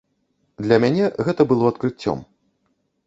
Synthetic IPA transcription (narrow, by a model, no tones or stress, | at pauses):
d̪lʲɐmʲanʲɛɣɛt̪ɐbɨlˠɔɐt̪kɾɨt͡sʲːɔ̰m